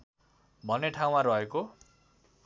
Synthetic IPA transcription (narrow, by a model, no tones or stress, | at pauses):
bʱʌneʈʰaw̃maɾʌɦeko